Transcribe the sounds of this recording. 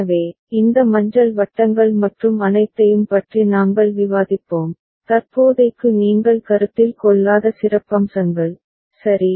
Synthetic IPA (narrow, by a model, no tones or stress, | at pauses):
ʋeː | ɪnd̪ɐmɐɲd͡ʒɐɭʋɐʈːɐŋɡɐɭmɐʈrɯmɐnɐɪt̪ːɐjɯmpɐʈrinaːŋɡɐɭʋɪʋaːðɪpːoːm | t̪ɐrpoːðɐɪkːɯniːŋɡɐɭkɐɾɯt̪ːɪlkɔɭːaːðɐsɪrɐpːɐmsɐŋɡɐɭ | sɐɾi